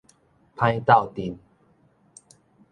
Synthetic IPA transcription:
pʰã˦jt̪a˥˨wt̪i˧n

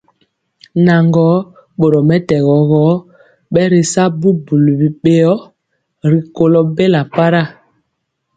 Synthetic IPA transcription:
na˨ŋɡɔ˨˦ | ɓo˨ɾɔ˨mɛ˦tɛ˨ɣɔ˨ɣɔ˨˦ | ɓɛ˦ɾi˨sa˦bu˦bu˨lu˨bi˨ɓe˦jɔ˦ | ɾi˨ko˨lɔ˨be˦la˨pa˦ɾa˦˨

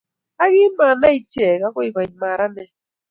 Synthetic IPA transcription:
a˦ɣi˦ma˨na˦i˦t͡ʃɛ˨ka˦kɔ˦i˦˨ka˨ma˨ɾa˦nɛ˨

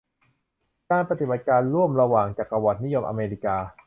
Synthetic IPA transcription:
kaː˧npɾa˧t̪i˨˩ba˨˩t̪̚kaː˧nɾu˥˩əmɾa˧waː˨˩ŋt͡ɕaː˨˩k̚a˧wa˨˩t̪̚ni˦˥jo˧mʔa̰˧meː˧li˧˩kaː˧

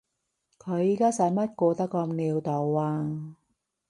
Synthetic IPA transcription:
kʰɵ˨˧ɥiː˨˧˥kaː˥sɐ˨˥jmɐ˥t̚kɔː˧t̪ɐ˥kːɔ˧mniː˧wt̪ɔ˨˩wwaː˧ŋ

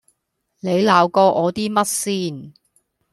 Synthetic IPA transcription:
le˨˧jlaː˨˧wkɔː˧ʔɔː˨˧t̪iː˥mɐ˥t̚siː˥˩n

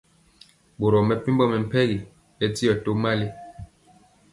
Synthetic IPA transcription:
bo˨ɾɔ˨mɛ˨pi˦m˦bɔ˦mɛ˨m̩˨pɛ˦ɣi˨ | ɛ˦ti˦ɔ˨to˦ma˦li˦

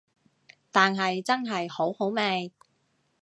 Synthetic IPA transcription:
t̪aː˨nɦɐ˨jt͡sɐ˥nɦɐ˨jho˨˥who˨˥wmɛː˧j

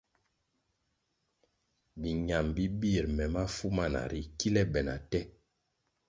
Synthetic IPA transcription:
bi˨ɲa˨mbi˦bi˦˨ɾmɛ˨ma˦fu˦ma˦˨na̰˨ɾi˨ki˦lɛ˦bɛ˨na̰˨tɛ˦

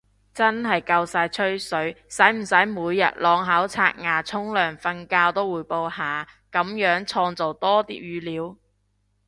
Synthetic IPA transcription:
t͡sɐ˥nɦɐ˨jkɐ˧wsaː˧jt͡ʃʰɵ˥ɥsɵ˨˥ɥsɐ˨˥jm̩˨˩sɐ˨˥jmuː˨˧jːɐ̰˨t̚lɔː˨˧ŋɦaː˨˥wt͡sʰa̰ː˧k̚ŋaː˨t͡sʰʊ˥ŋlœː˨ŋfɐ˧nkaː˧wt̪o˥wuː˨˥jpo˧whaː˨˩kɐ˨˥mjœː˨˥ŋt͡sʰɔː˧ŋt͡so˨wt̪ɔː˥t̪ḭː˥p̚jyː˨˧liː˨˥w

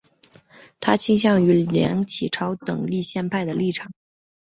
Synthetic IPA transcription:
t̪ʰa˥t͡ɕʰi˥ŋɕ̬jɑ˥˩ŋy˧˥ljɑ̰˧˥ŋt͡ɕʰi˨˩ʈ͡ʂʰɑ˧˥ʊt̪ɤ˨˩ŋli˥˧ɕjɛ˥˧npʰa˥˩ɪd̪ə˩li˥˩ʈ͡ʂʰɑ˨˩˦ŋ

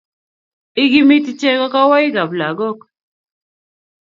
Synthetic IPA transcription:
ɪ˦ɡi˦mi˦tt͡ʃɛ˦kɔ˦ka˦wa˦ɪ˦ɡa˨bla˨ɡɔ˦k

